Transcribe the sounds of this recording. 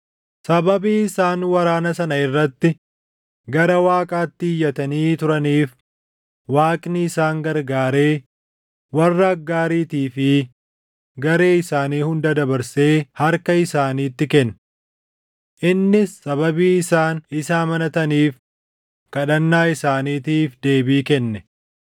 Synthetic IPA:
sɐbɐbiːɪsaːnwɐɾaːnɐsɐnɐɪrːɐt̪ːɪ | ɡɐɾɐwaːkʼaːt̪ːɪːjːɐt̪ɐniːt̪ʊɾɐniːf | waːkʼnɪːsaːŋɡɐɾɡaːɾe̞ː | wɐrːɐːɡːaːɾiːt̪iːfɪ | ɡɐɾe̞ːɪsaːniːhʊnd̪ɐd̪ɐbɐɾse̞ːhɐɾkɐɪsaːniːt̪ːɪkɛn | ʔɪnːɪsːɐβɐbiːɪsaːnɪsaːmɐnɐt̪ɐniːf | kɐᶑɐnːaːɪsaːniːt̪iːfd̪e̞ːbiːkɛnːɛ

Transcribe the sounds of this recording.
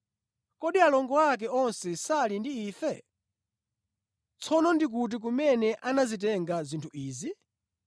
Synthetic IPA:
kɔɗialɔŋɡɔak̬ɛɔnsɛsalindiiːfɛ | t͡sʰɔnɔndik̬ut̬ik̬umɛnɛʔanazit̬ɛŋɡazintʰuiːzi

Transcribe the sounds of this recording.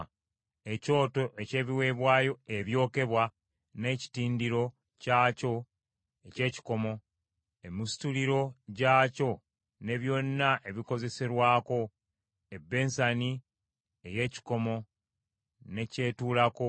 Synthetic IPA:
e̞co̞ːto̞ʔe̞ce̞ːβiwe̞ːβwaːjo̞e̞βjo̞ːke̞βwa | ne̞ːci̥tiːndiɾo̞ | caːco̞ | ece̞ːci̥ko̞mo̞ | e̞mustuliɾo̞ɟaːco̞ | ne̞βjo̞nːaʔeβiko̞ze̞se̞ɾwaːko̞ | e̞bːe̞ːnsani | e̞je̞ːci̥ko̞mo̞ | ne̞ce̞ːtuːlako

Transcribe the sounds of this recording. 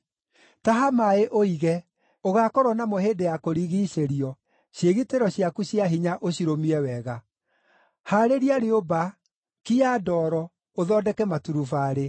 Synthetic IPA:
taɦamaeʔoiɣɛ | oɣakɔɾwɔnamoheːndejakoɾiɣiɕeɾiɔ | ɕjeɣiteɾɔɕiakuɕjaɦiɲaʔoɕiɾomiɛwɛɣa | haɾeɾiaɾeoba | kiadɔːɾɔ | oðɔːdɛkɛmatuɾufaɾe

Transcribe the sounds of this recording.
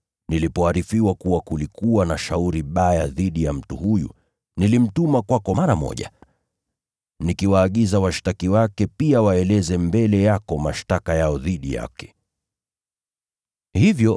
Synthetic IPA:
nilipɔaɾifiwakuwakulikuwanaʃauɾiɓajaðiɗijam̩tuhujṵ | nilim̩tumakwakɔmaɾamɔ̰ʄa̰ | nikiwaːɠizawaʃtakiwakɛpiawaɛlɛzɛmbɛlɛjakɔmaʃtakajaɔðiɗija̰kɛ̥ | hivjɔ

